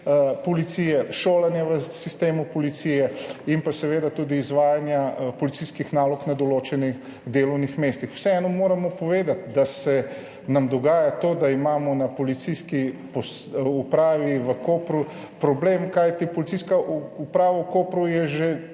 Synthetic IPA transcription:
pɔlit̪siːjɛʃoːlanjaʋəsist̪eːmupɔlit̪sijɛimpasɛʋeːd̪at̪uːd̪iːzʋaːjanjapɔlit̪iskixnaːlɔknad̪ɔloːt͡ʃɛnix | d̪eːlɔwnixmeːst̪ixw̥sɛɛnɔmoːɾamɔpɔʋeːd̪at̪d̪asɛ | namd̪ɔɡaːjat̪oːd̪aimaːmɔnapɔlit̪siskipɔs | upɾaːʋiʋəkoːpɾu | pɾɔbleːmkajt̪ipɔlit̪siskaupɾaːʋawkoːpɾujɛʒe

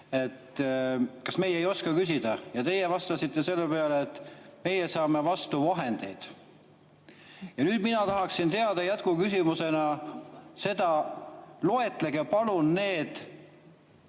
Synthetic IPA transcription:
e̞t̪ | kɑsme̞jejo̞skɑkys̬ʲid̪̥ɑjɑt̪e̞jevɑst̪ɑsit̪ˑːe̞se̞lːepeɑleːt̪ːme̞jesɑːme̞vɑst̪uvɑɦe̞nd̪̥e̞jd̪̥ | jɑnyːd̪̥minɑt̪ɑɦɑksint̪e̞ɑd̪̥ɑjæt̪kukysimuse̞nɑ | se̞d̪ɑ | lo̞e̞t̪ˑleɡ̥epɑlunne̞ːd̪̥

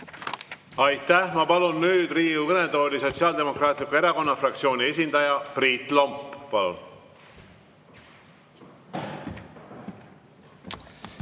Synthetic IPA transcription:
ɑjt̪ːæhmɑpɑlunːyːd̪riːuvɤned̪̥o̞ːlʲiso̞t̪siɑːld̪̥e̞mo̞krɑːt̪likue̞ɾɑko̞nːɑfrɑk̚t̪sio̞ːnie̞s̬ʲind̪̥ɑjɑpriːt̪ˑlompːɑlṵn

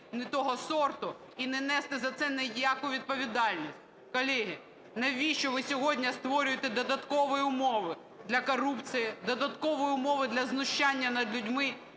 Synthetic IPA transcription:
nɛt̪ɔɦɔsɔrt̪ʊ | inɛnɛst̪ɪzɐt̪sɛnɛjjakʊʋʲid̪̚pɔʋʲid̪ɑlʲnʲisʲt̚ʲ | kɔlʲɛɦɪ | nɛʋʲiʃt͡ʃɔʋɪsʲɔɦɔdʲnʲɐst̪ʋɔɾʲʊjet̪ɛd̪ɔd̪ɐt̪kɔʋɔjiʊmɔʋɪ | d̪lʲɐkɔrupt͡sʲijid̪ɔd̪ɐt̪kɔʋɔjɪʊmɔʋɪd̪lʲɐznʊʃt͡ʃanʲːɐnɐd̪lʲʊdʲmɪ

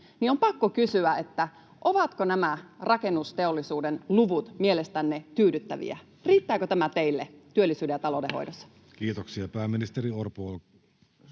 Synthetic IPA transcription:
niompɑkːokysyæet̪ːæ | ʔoʋɑt̪konæmærɑke̞nːust̪e̞olːisuːdenluʋut̪mielest̪ænːet̪yːdyt̪ːæʋḭæ̰ | riːt̪ːæːkøt̪æmæt̪e̞ilːet̪yølːisyːdejɑt̪ɑlodeho̰jdosːɑ̥ | kiːt̪oksiɑpæːmːinist̪eɾiorpuol

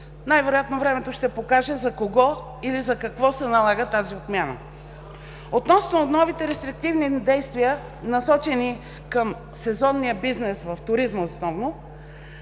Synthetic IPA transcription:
najvɛɾojat̪novɾɛmɛt̪oʃt̪ɛpokaʒɛzɐkoɡɔ | ilizɐkɐkvɔsɛnɐlˠaɡət̪aziot̪mʲjanə̰ | ot̪nɔsnonɔvit̪ɛɾɛst̪ɾik̚t̪ivnid̪ɛjst̪vijə | nɐsɔt͡ʃɛni | kəm | sɛzɔnːijəbiznɛsvɐft̪ʊɾizməosnɔvno

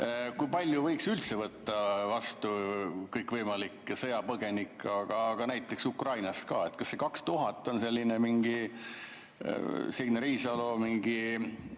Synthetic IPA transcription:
kujpɑlʲjuvɤjksylt̪se̞vɤt̪ːɑvɑst̪ukɤjkvɤjmɑlikːˑsɤjɑpɤɡ̥e̞nikːˑɑɡ̥ɑːɡ̥ɑnæjt̪ːˑe̞ksukrɑjnɑst̪kɑ̰ːe̞t̪kɑsːe̞kɑkst̪uɦɑt̪ˑːo̞nse̞lʲːinemiŋɡ̥i | seneɾiːsɑlomiŋɡi

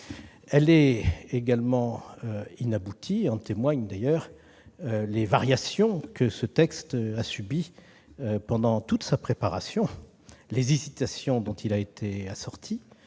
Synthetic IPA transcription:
ɛlɛeɡalmɑ̃øinabut̪ʰiɑ̃t̪emwaɲd̪ajœːʁ | levaʁjasjɔ̃kəsət̪ɛkst̪asybi | øpɑ̃d̪ɑ̃t̪ut̪sapχepaʁa̰sjɔ̃ | lezizit̪asjɔ̃d̪ɔ̃t̪ʰilaet̪ʰeasɔʁt̪ʰi

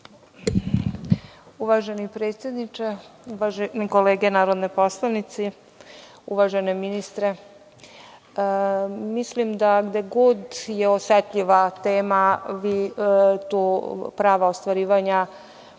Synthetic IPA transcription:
uʋaʒenipɾeːt̪sʲje̞d̪nit͡ʃeuʋaʒeniko̞leːɡenaːɾod̪nojposlˠaʋnit̪si | uʋaʒeneminist̪ɾe | mislimd̪aɡd̪eɡud̪jeosɛt̪ʎiʋat̪eːmaʋit̪upɾaːʋaost̪ʋaɾiːʋaɲa

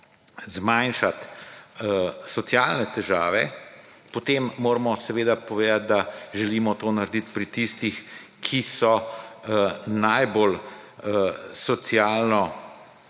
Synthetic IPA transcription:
zmanʃat̪ | sɔt̪sjalnɛt̪ɛʒaːʋɛ | pɔt̪eːmːoːɾmɔsɛʋeːd̪apɔʋeːd̪at̪̚d̪aʒɛliːmɔt̪oːnaɾd̪it̪pɾit̪ist̪ix | kʰisɔ | najbol | sɔt̪sjaːlnɔ

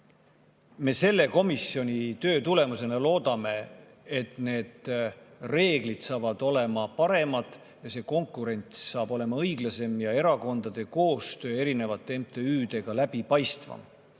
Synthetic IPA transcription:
me̞ːse̞lːe̞ko̞misjo̞nʲit̪ø̞ːt̪ule̞muse̞nelo̞ːd̪ɑme̞ | et̪ne̞ːd̪̥re̞ːɡ̥lid̪̥sɑːvɑd̪̥o̞le̞mɑpɑɾe̞mɑd̪̥ | jɑse̞ːko̞ŋkːˑuɾe̞nʲt̪sɑːb̥o̞le̞mɑɤjɡ̥lɑse̞mjɑe̞ɾɑko̞nd̪̥ɑd̪̥e̞ko̞ːst̪ø̞ːe̞ɾine̞vɑt̪ːˑeemt̪e̞yːd̪̥e̞ɡ̥ɑlæb̥ipɑjst̪vɑ̰m

